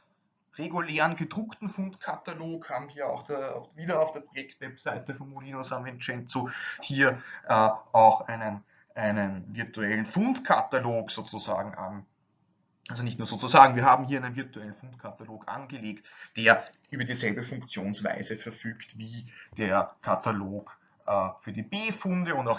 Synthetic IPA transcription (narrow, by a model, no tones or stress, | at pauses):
ʁeɡuleːʁənɡəd̥ʁʊktn̩fʊntkʰataloːkhaːbm̩viːɐa̰ʊxd̥̰viːdɐɑʊfd̥eːɐpʁ̥ojɛktvɛpsaɪtəfɔnmoliːnosanvɛnt͡ʃɛnt͡sohiːɐʔɛːʔaʊxʔæɪnən | ʔæɪnənvɪɐtuɛlən̩fʊntkʰataloːkz̥oːt͡suza̰ːɡŋ̩ʔa̰n | ʔalzonɪçtnuːɐz̥oːt͡suzaːɡŋ̩viːɐɦaːbm̩hiːɐæɪnənviɐtuɛlən̩fʊntkʰataloːkʔa̰nɡəleːktd̥eːɐʔyːbɐdiːzɛlbəfʊŋkt͡sjoːnsva̰ɪzəfɛɐfyːktviːd̥eːɐkʰataloːk | ʔɛːfyːɐdib̥eːfʊndəʊndaʊx